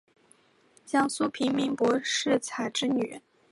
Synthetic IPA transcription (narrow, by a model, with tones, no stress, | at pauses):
t͡ɕjɑ˥ŋsu˥pʰi˧˥ŋmi˧˥ŋpwɔ˧˥ʂɻ̩˥˩t͡sʰa˨˩ɪʈ͡ʂɻ̩˥ny̰˨˩